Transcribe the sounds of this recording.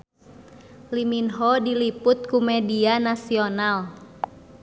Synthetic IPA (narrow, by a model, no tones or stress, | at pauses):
liminɦɔdilipʊt̪̚kumɛdianasional